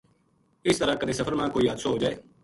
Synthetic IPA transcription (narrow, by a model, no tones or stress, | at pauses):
ɪst̪əɾãːkəd̪eːsəpʰəɾmãːkoːiːɦət̪soːɦoːd͡ʒaːeː